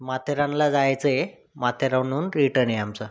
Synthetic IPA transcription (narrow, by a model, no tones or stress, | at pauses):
mat̪ʰeɾãnlad͡zajt͡səe | mat̪ʰeɾanuːnɾiʈəɳeamt͡sə